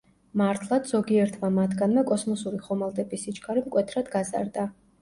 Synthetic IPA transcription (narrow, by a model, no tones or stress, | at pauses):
maɾt̪ʰlˠad̪z̥ɔɡiɛɾt̪ʰvamat̪ʰɡanmɛkʼɔsmɔsuɾiχɔmalˠd̪ɛbisit͡ʃʰʼkʰʼaɾimkʼwɛt̪ʰɾad̪ɡaza̰ɾd̪a